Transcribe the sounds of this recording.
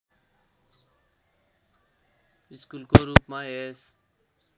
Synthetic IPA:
iskulkoːɾuːpmãːeːs

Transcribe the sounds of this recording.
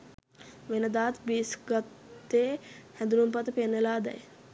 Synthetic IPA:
ʋenəd̪aːt̪biːsɡat̪ːeːhæd̪uɾumpat̪əpenʋelaːd̪ɛ̰j

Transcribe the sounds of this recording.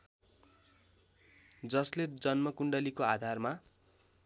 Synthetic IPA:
d͡zʌsled͡zʌnmʌkuɳɖʌlikoad̪ʱarma

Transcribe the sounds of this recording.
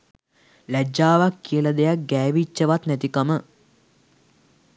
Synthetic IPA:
læd͡ʒaːʋakːijəlad̪ejak̚ɡɛːʋit͡ʃːəʋat̪næt̪ikamə

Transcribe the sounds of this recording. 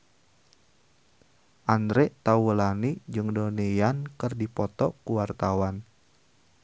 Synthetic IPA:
ʔandɾɛt̪awəlanid͡ʒɨŋdonejankɨrdipɔt̪ɔkuwart̪awan

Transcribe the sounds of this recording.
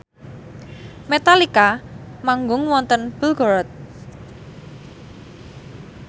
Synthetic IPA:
met̪alikamaŋɡʊŋwɔnt̪ənb̥əɡ̥ɔɾɔt̪̚

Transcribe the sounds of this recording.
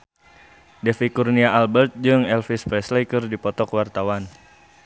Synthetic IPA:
dɛfikurniaalbɛrt̪̚d͡ʒɨŋɛlfispɾɛslekərdipɔt̪ɔkwart̪awan

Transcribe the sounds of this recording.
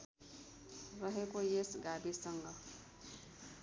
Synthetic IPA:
rʌɦekojesɡabisʌŋɡʌ

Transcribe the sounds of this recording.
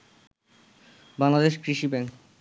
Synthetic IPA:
baŋlad̪eʃkɾiʃibɛŋk

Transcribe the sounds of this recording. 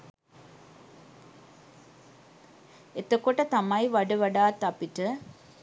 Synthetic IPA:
et̪əkoʈət̪amajʋaɖəʋaɖaːt̪ːapiʈə

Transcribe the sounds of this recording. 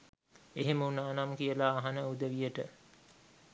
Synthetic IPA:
eɦeməunaːnamkijəlaːɦanəud̪əʋijəʈə

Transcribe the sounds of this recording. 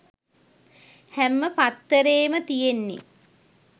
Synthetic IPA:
hæmːəpat̪ːəɾeːmət̪ijenːḭ

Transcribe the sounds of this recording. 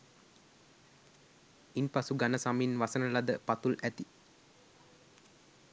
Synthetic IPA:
inpasuɡanəsaminʋasənəlad̪əpat̪ulʔæt̪i

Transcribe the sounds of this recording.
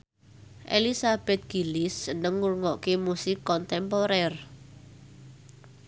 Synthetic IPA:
ʔḛlisab̥ɛ̤t̪̚ɡ̥i̤lɪsːənəŋːurŋɔʔkemusɪkːɔnt̪ɛmpɔɾɛr

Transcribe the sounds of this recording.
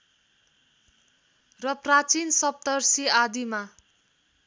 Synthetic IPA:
rʌprat͡sinsʌp̚t̪ʌrsiad̪ima

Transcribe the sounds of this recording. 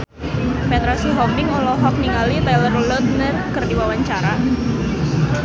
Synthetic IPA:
fed̪ɾasiɦɔmɪŋɔlɔɦɔk̚niŋalit̪alərlɔt̪̚nərkərdiwawaɲt͡ʃaɾa

